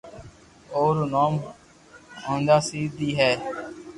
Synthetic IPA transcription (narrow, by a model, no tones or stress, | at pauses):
oːɾnoːm | ɦõːnd̪aːsiːd̪iːɦɛː